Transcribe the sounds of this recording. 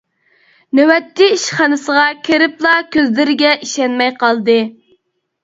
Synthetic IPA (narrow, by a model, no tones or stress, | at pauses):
newɛt̪ʰːɪiʃχɑnɨsəʁɑkʲʰeɾɪplˠɑkʲʰøzlɪɾɪɡʲɛʔiʃɛnmɛjqɑlˠd̪ɨ